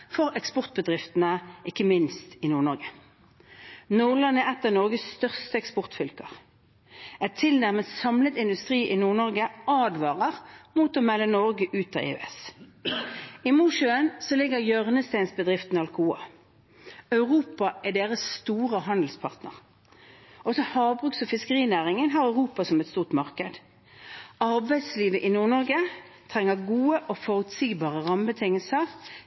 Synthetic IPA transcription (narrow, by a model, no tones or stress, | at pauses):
fɔʁɛkspɔʁt̪̚bəd̪ʁɪft̪ənəʔɪkːəmɪnst̪ɪnuːʁnɔʁɡə | nuːʁlɑnɛɛt̪ːəʁnɔʁɡəsːt̪œʁst̪əɛkspɔʁt̪fʏlkəʁ | ɛt̪ʰɪlnæʁməsɑmlət̪ɪnd̪ʉst̪ʁiːʔɪnuːʁnɔʁɡəʔɑːd̪ʋɑːʁəʁmuːt̪ɔmɛlːənɔʁɡəʔʉːt̪ɑ̰ːḛːø̰ɛs | ɪmuːʃʉənsɔlɪɡəʁjøʁnəst̪æɪnsbəd̪ʁɪft̪nɑlkuːɑ̰ | œʉʁuːpɑʔɛd̪eːʁəsːt̪uːʁəɦɑnd̪l̩spʰɑʁt̪nə̰ʁ | ʔɔsɔhɑːbʁʉːɡsɔfɪskəʁiːnæːʁɪŋənɦɑːʁœʉʁuːpɑsɔmɛt̪st̪uːʁt̪mɑʁkəd̪ | ɑʁbæɪd̪sliːʋəʔɪnuːʁnɔʁɡət̪ʰʁɛŋːəʁɡuːəʔofɔʁʉt̪siːɡbɑːʁəʁɑmbət̪ʰɪŋəlsəʁ